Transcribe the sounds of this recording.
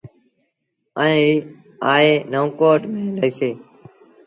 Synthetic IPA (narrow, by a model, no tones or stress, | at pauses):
əẽːi | aːeːnəʋ̃koːʈmẽːləiːseː